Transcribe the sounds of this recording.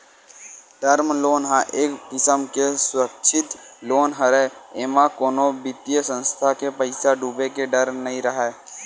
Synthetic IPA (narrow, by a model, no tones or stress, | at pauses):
ɖəɾmloːnɦãʔeːkd̪ɪsəmkesʊɾəkʃʰɪt̪loːnɦəɾeeːmãkoːnobɪt̪ijəsə̃nst̪ʰakepəɪsaɖuːbekeɖəɾmnəɦĩɾəɦɛː